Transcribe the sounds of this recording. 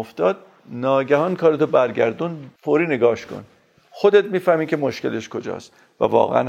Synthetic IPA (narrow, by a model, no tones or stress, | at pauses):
oft̪ɒːd̪̚ | nɒːɟæhɒːnkʰɒːɾet̪ʰobæɾɟæɾd̪unfoːɾiːneɡɒːʃkʰo̰n | xod̪et̪̚miːfæhmiːcʰemoʃce̞̰leʃkʰo̞d͡ʒɒ̰ːst̪ | væ̰vɒ̰ːɣḛʔæ̰n